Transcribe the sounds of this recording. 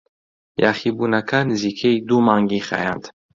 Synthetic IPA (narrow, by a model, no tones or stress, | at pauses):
jaχibunakʰanzikʰejd̪umaŋɡiχa̰jand̪̥